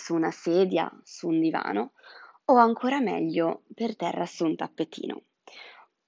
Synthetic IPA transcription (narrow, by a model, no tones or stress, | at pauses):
sunasɛːd̪ja̰suːnd̪iva̰ːnooaŋkʰoːɾamɛ̰ʎːopert̪ɛrːasunt̪apːet̪ːḭːnʔo̰